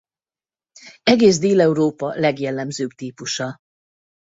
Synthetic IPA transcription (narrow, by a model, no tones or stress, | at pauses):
ɛɡeːzd̪eːlɛuɾoːpɒlɛɡjɛlːɛmzøːbt̪iːpuʃɒ